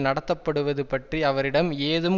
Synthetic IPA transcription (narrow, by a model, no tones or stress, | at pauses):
nɐɽɐt̪ːɐpːɐɽɯʋɐðɯpɐʈriɐʋɐɾɪɽɐmeːðɯm